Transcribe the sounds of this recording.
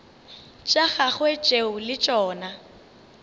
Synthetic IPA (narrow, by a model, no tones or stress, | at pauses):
t͡ʃʼaɣaɣwet͡ʃʼeʊlɪt͡ʃʼɔːna